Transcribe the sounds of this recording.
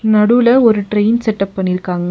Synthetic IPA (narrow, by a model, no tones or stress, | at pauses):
nɐɽulɐɔɾɯʈɾɐjnsɛʈːɐpːɐɳːɪɾɯkːaːŋɡɐ